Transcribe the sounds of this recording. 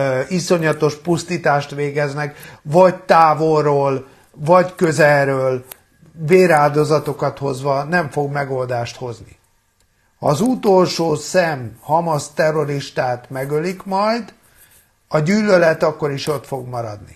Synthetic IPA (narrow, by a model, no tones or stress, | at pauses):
iso̞ɲɒt̪o̞ʃpust̪iːt̪aːʃt̪ʋeːɡɛznɛkvɒɟt̪aːvorːoːl | vɒɟkøzɛlɾøːl | veːɾaːld̪o̞zɒt̪o̞kɒt̪ho̞zʋɒnɛɱfo̞ɡmɛɡo̞ld̪aːʃt̪ho̞zni | hɒ̰ːzut̪olʃoːsɛmhɒmɒst̪ɛrːo̞ɾiʃt̪aːt̪mɛɡølikmɒjd̪ | ɒɟyːlːølɛt̪ɒkːo̞ɾiʃo̞t̪fo̞ɡmɒɾɒ̰d̪nḭ